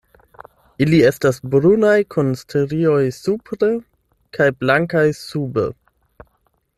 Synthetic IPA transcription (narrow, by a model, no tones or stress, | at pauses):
ilie̞stasbɾunajkʰonstʰeɾio̞jsupɾe | kʰajblaŋkajsubḛ